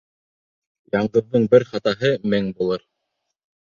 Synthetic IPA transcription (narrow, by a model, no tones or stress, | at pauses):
jɑɴɢɤ̆ðːɤɴbɘɾχɑt̪ɑɦɤmɘŋbulˠɤɾ